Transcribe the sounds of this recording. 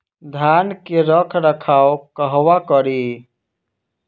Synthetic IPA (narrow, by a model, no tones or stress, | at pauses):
d̪ʱankeɾəkʰɾəkʰaokəɦwakəɾi